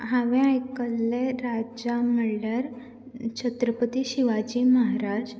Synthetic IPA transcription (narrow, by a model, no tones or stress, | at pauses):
ɦaʋẽajkəlːeɾad͡ʑaməɭɖəɾ | t͡ɕʰət̪ɾəpət̪iɕiʋad͡ʑiməɦaɾad͡ʑ